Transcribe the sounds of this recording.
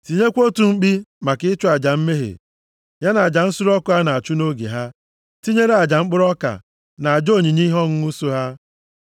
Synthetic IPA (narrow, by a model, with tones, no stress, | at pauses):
ti˨ɲe˦kʷo˦tu˨ŋ͡m̩˦k͡pi˦ma˨kɪ˦t͡ʃʊ˦a˨d͡ʒa˨m̩˦me˦ɦḛ˨ | ja˦na˨a˨d͡ʒa˨n̩˦sʊ˦ɾɔ˦kʊ˦ɦa˦na˨a˨t͡ʃu˦no˦ɡḛ˨ɦa˦ | ti˦ɲe˦ɾe˦a˨d͡ʒa˨ŋ͡m̩˦k͡pʊ˦ɾɔ˦ka̰˨ | na˨a˨d͡ʒo˦˨ɲi˨ɲi˦ɦɔ˦ŋ̩˦u˦su˦ɦa˦